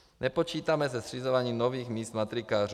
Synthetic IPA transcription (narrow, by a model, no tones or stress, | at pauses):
nɛpɔt͡ʃiːt̪amɛzɛsrizɔʋaɲiːmnɔʋiːɣmiːsd̪mat̪ɾikaːɾ